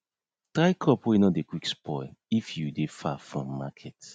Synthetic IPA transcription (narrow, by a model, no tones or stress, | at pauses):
tɾaɪkʰɔpwinɔt̚dekwikspʰɔjifjudefafɹɔ̃mːakʰɛt